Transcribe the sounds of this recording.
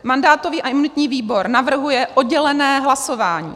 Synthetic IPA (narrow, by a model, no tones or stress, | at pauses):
mandaːt̪o̞viːʔaʔɪmunɪt̪ɲiːviːbo̞ɾnavr̩ɦujɛʔod̚ɟɛlɛnɛːɦlaso̞vaːɲḭː